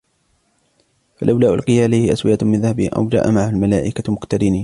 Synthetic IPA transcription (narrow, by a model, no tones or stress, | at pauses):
falʔawlaːʔʊ̰lqɪjaʕalajhɪʔaswɪʔamɪnðahabɪʔa̰wd͡ʒa̰ːʔa̰maʕahalmalaːʔɪkamʊkt̪aɾɪniː